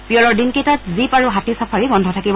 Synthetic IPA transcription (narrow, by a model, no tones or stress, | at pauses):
pijɔɹɔɹdinkejtatzipaɹuɦatisapʰaɹibɔndʱɔtʰakibɔ